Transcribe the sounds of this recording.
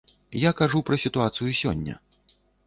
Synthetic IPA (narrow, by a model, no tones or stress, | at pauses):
jakaʐupɾɐsʲit̪uat̪sɨjusʲɔ̰nʲːɐ̰